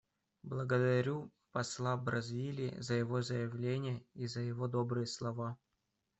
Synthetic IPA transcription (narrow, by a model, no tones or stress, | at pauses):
blˠəɡəd̪ɐɾʲu | pɐslˠabɾɐzʲvʲilʲɪ̰zəjɪvozəjɪvlʲenʲɪjəizəjɪvod̪obɾɨjəslˠɐva